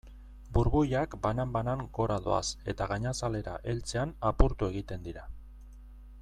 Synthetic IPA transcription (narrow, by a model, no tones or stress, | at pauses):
buɾβujakbanambanaŋɡo̞ɾaðo̰a̰se̞t̪aɣaɲasale̞ɾa̰ʔe̞lt͡se̞anapuɾt̪ue̞ɣ̞it̪e̞nd̪iɾa